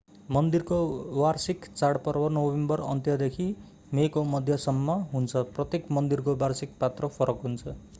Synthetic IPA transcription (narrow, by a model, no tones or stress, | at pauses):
mʌnd̪irkowarsikt͡saɽpʌrbʌnoembʌrʌ̰nt̪jʌd̪ekʰi | mekomʌd̪ʱjʌsʌmːʌɦunt͡sʰʌprʌt̪jekmʌnd̪irkobarsik̚pat̪rʌpʰʌɾʌkɦunt͡sʰʌ